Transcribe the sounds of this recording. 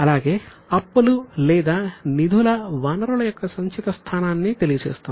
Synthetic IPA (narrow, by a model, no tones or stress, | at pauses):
ɐlaːɡe̞ː | ɐpːɐlulɛːd̪aːnid̪ʱulɐʋaːnɐɾuɭɐjɔkːɐsɐɲt͡ʃit̪ɐst̪ʰaːnaːnːit̪e̞lijɐt͡ʃeːst̪a